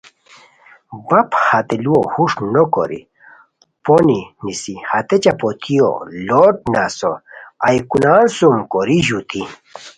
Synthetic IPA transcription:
bɐphat̪eluohuʂnoko̰ɾḭ | poninisihat̪et͡ɕapot̪ʰio̰loʈ̚nasoajkunaːnsumkoɾiʑut̪ʰi

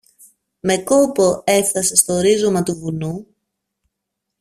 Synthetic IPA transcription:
me̞ko̞po̞e̞fθɐse̞st̪oːɾizo̞mɐt̪uvunu

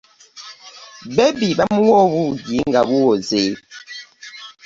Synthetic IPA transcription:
bɛbibamuwɔbujiŋɡabuwɔzeː

